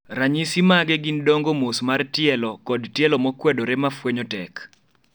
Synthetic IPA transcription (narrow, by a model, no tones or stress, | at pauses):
raɲisimaɡɛɡindɔŋɡomosmartɪɛlɔkɔdtjɛlɔmɔkwɛdoɾemafwɛɲɔtɛk